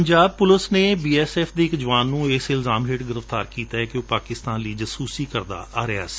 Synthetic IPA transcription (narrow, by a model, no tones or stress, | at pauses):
əɲd͡ʒaːb̚pʊləsneːbiːɛːsɛːfʰd̪eːɪkd͡ʒəʋaːnːũːɪsɪlzaːmɦeːʈɡɪɾəft̪aːɾkiːt̪aːɦɛkɪoːpaːkɪst̪aːnliːd͡ʒəsuːsiːkəɾd̪a̰ːaːɾɪa̰ːsi̥ː